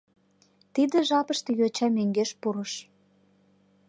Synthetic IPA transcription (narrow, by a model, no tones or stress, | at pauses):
t̪id̪ĕʒɑpəʃt̪ĕjot͡ɕɑmøŋɡeʃpuɾəʃ